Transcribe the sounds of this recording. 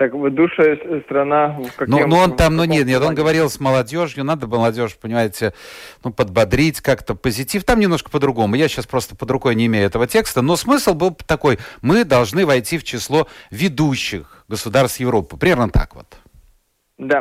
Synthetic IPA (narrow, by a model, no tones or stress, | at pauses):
t̪akvd̪uʂəjst̪ɾɐnakanunuont̪amnonʲet̪nʲet̪o̞nɡəvɐɾʲilˠsməlˠɐdʲo̞ʐjʊnad̪əmməlˠɐdʲo̞ʂpənʲɪmajɪtʲɪnupəd̪̚bɐd̪ɾʲitʲkakt̪əpəzʲɪtʲift̪amnʲɪmnoʂkə̥pəd̪ɾʊɡo̞mʊjaɕːaspɾo̞st̪ə̥pəd̪ɾʊko̞jnʲɪːmʲejʊɛt̪əvətʲe̞kst̪əno̞smɨslˠbɨlˠt̪ɐko̞jmɨd̪ɐlˠʐnɨvɐjtʲift͡ɕɪslˠo̞vʲɪd̪uɕːɪx | ɡəsʊd̪arst̪jɪvɾo̞pːɨpɾʲɪmʲernət̪a̰kvo̞̰t̪ | d̪a